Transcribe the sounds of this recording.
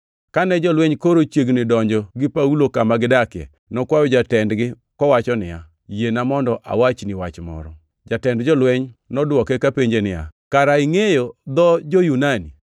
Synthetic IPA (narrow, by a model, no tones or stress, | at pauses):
kanɛd͡ʒɔlwɛɲkoɾot͡ʃjeɡnɪdɔɲd͡ʒɔɡɪpaulokamaɡɪdakɛ̰ | nɔkwajɔd͡ʒatɛndɡɪ | kɔwat͡ʃɔnɪja | jenamɔndɔʔa̰wat͡ʃniwat͡ʃmɔ̰ɾɔ̰ | d͡ʒatɛndd͡ʒɔlwɛɲnɔdwɔkɛkapeɲd͡ʒenɪja̰kaɾaiŋejod̪ɔd͡ʒojunani